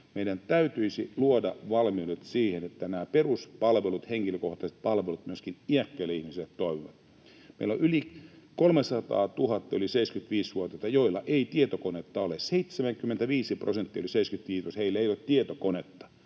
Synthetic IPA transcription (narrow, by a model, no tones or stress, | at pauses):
meidænt̪æyt̪yisiluodɑʋɑlmiudet̪siːhenet̪ːænæːperuspɑlʋelut̪heŋkiløkoht̪ɑset̪̚pɑlʋelut̪myøskiniækːæilːeihmiselːet̪t̪oiʋiʋɑt̪ | mḛilo̰ʔylikolmesɑt̪ɑ̰ːt̪uhɑt̪ːɑyliseiskyt̪ʋiːsʋuot̪et̪ɑjoilːɑʔeit̪iet̪okonet̪ːɑoleseit̪semæŋkymːent̪æʋiːsiprosent̪ːiˑoliseiskyt̪ʋiːt̪osheilːæejolt̪t̪iet̪okonet̪ːɑ̥